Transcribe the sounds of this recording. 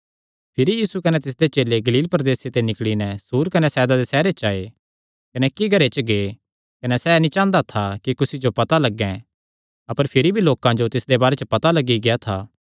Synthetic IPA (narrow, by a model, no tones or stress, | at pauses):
pʰɪɾijiːsukɐnɛt̪ɪs̬d̪et͡ʃeːleɡɐliːlpɾɐd̪eːset̪enɪkɽinɛsuːɾkɐnɛsɛːd̪ad̪esɛːɾet͡ʃaːe | kɐnɛkiɡʱɐɾet͡ʃəɡe | kɐnɛsɛnĩt͡ʃãːnd̪at̪ʰakikʊsid͡ʒopɐt̪alɐɡːɛ̃ | ɐpəɾpʰɪɾibʱiloːkãd͡ʒot̪ɪsd̪ebaːɾet͡ʃəpɐt̪alɐɡiɡɪjat̪ʰa̰ː